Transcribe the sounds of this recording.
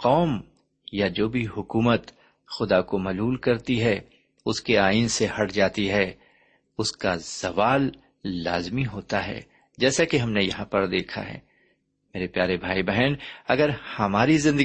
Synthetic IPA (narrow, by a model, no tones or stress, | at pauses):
qɔːm | jad͡ʒoːbʱiɦʊkuːmət̪ | xʊd̪akomɐluːlkɐɾt̪iɦɛ | ʊskeaːiːnsehɐɽd͡ʒaːt̪iɦɛː | ʊskaz̥ɐʋaːlː | aːzmiɦoːt̪aɦɛ̰ː | d͡ʒɛːsakeɦɐmnejɐɦãpɐɾd̪eːkʰa̰ɦɛ̰ː | meːɾepjaːɾebʱaːibɛɦɛnɐɡəɾhɐmaːɾizɪ̃nd̪ə